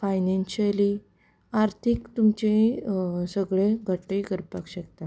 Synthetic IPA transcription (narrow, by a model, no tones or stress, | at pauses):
fajnenɕəli | aɾt̪ʰikt̪umt͡ɕeɦĩsəɡɭeɡʱəʈːeɡəɾpakɕək̚t̪a